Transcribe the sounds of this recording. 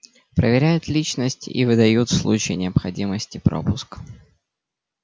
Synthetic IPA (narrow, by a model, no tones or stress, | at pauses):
pɾəvʲɪɾʲæjʊt̪lʲit͡ɕnəsʲtʲḭvɨd̪ɐjut̪slˠut͡ɕɪjnʲɪəpxɐdʲiməsʲtʲɪpɾo̞̰pʊsk